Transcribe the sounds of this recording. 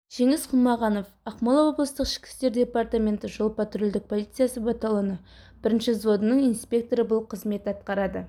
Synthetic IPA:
ʒ̥e̞ŋɪsqʰʊnmɑʁɑno̞fɑqmɑlˠɑwo̞blˠəst̪əqɪ̥kʲɪ̥st̪e̞ɾd̪ʲe̞part̪amʲe̞nt̪ɪʒolˠpɑt̪ɾold̪ɪk̚pʰo̞lˠit̪sɨjasəbɑt̪ɑlˠɑnə | b̥ɪɾɪnʃɪzvo̞d̪ənəɴijnspʲe̞k̚t̪o̞ɾəbʊlˠqʰəzme̞t̪ɑt̪qɑɾɑd̪ə

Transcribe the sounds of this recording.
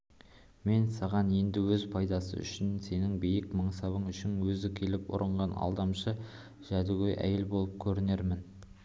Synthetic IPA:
me̞nsɑʁɑne̞nd̪ɪwɵzpʰɑjd̪ɑsə̰ʏ̰ʃɪnse̞nɪŋbejɪkmɑɴsɑβəɴʏʃɪŋwɵzɪkʲʰe̞lɪpʊ̰ɾʔəɴʁɑnɑ̰lˠd̪ɑmʃə | ʒ̥æd̪ɪɡʲejʔæ̰jelbo̞lˠəp̚kʲʰɵɾɪne̞ɾmɪn

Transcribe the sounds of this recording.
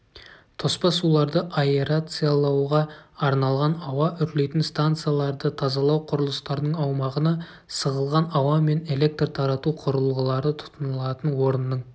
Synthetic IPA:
t̪ʰo̞spɑsulˠɑɾd̪əʔaeɾat̪sɨjalˠɑwʁɑːɾnɑlˠʁɑnɑwɑʔʏɾle̞jt̪ɪnst̪ant̪sɨjalˠɑɾd̪ət̪ʰɑzɑlˠɑwqʰʊɾəlˠəst̪ɑɾd̪əɴɑwmɑʁənɑ | səʁəlˠʁɑnɑwɑme̞ne̞le̞k̚t̪rt̪ʰɑɾɑt̪uqʰʊɾəlˠʁəlˠɑɾd̪ət̪ʰʊ̥t̪ənəlˠɑt̪ənwo̞ɾənːəɴ

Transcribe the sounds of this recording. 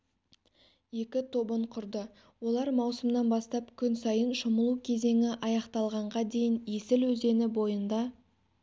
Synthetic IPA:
je̞kʲɪt̪ʰo̞bəɴqʰʊɾd̪ə | wo̞lˠɑɾmɑwsəmnɑnbɑst̪ɑpkʲʰʏnsɑjənʃʊməlˠukʲʰe̞ze̞ŋʲɪʔɑjɑqt̪ɑlˠʁɑɴʁɑd̪e̞jɪnje̞sɪlwɵze̞nɪbo̞jənd̪ɑ

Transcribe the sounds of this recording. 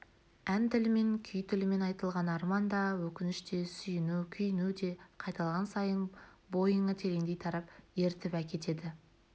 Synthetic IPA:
ænt̪ɪlɪme̞ŋkʲʰʏjt̪ʰɪlɪme̞nɑjt̪əlˠʁɑnɑɾmɑnd̪ɑwɵkʲɪnɪʃt̪e̞sʏjɪnukʲʰʏjɪnud̪e̞qʰɑjt̪ɑlˠʁɑnsɑjənbo̞jəɴət̪ʰe̞ɾe̞ŋd̪e̞jt̪ʰɑɾɑpje̞ɾt̪ɪpækʲe̞t̪e̞d̪ɪ

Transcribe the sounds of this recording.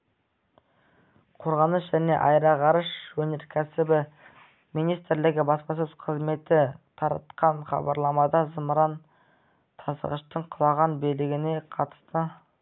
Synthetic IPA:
qʰo̞ɾʁɑnəsʒæne̞̰ʔɑjɾɑʁɑɾəʃwɵne̞ɾkʲʰæsɪbɪ | mijnijst̪ɾlɪɡʲɪbɑspɑs̬əz̥qʰəzme̞t̪ɪt̪ʰɑɾɑ̰t̪qɑnχɑ̰bɑɾlˠɑmɑd̪ɑzəmɾɑn | t̪ʰɑsə̰ʁəʃt̪əɴqʰʊlˠɑʁɑnbelɪɡʲɪne̞qʰɑt̪ə̥st̪ə

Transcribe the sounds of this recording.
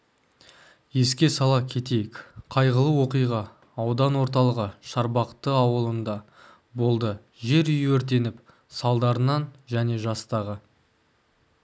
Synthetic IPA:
je̞skʲe̞sɑlˠɑkʲʰe̞t̪e̞jɪkʲqʰɑjʁəlˠəwo̞qijʁɑː | wd̪ɑnwo̞ɾt̪ɑlˠəʁəʃɑɾbɑqt̪əɑwəlˠənd̪ɑ | bo̞lˠd̪ə | ʒe̞ɾʏjəɵɾt̪̬e̞nɪp | sɑlˠd̪ɑɾənɑnʒæne̞ʒɑst̪ɑʁə

